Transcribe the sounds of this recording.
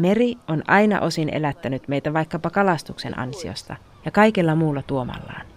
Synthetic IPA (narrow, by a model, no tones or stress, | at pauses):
merionʔɑjnɑ̰ʔo̞sinʔḛlæt̪ːænyt̪me̞jt̪æʋɑjkːɑpɑkɑlɑst̪ukse̞̰nʔɑ̰nsio̰st̪ɑ̰ | jɑkɑikelːɑmuːlːɑt̪uo̞mɑ̰lːɑ̰ːn